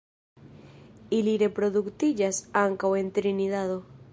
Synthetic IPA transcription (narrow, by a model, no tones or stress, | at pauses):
iliɾe̞pɾo̞ðukt̪id͡ʒasaŋkawe̞nt̪ɾiniðaðo